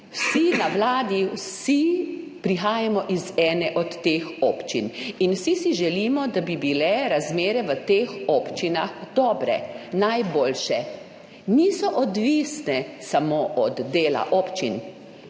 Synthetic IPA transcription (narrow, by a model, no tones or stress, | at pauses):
wsinawlaːd̪iwsipɾixaːjamɔʔizɛːnɛʔɔt̪ːeːxoːpt͡ʃḭninwsisiʒɛlimɔd̪abibilɛɾazmeːɾɛʋət̪eːxɔpt͡ʃinaxd̪ɔːbɾɛ̰najboːlʃɛ | niːsɔʔɔd̪ʋisnɛsamoʔɔd̪ːeːla̰ʔɔːpt͡ʃin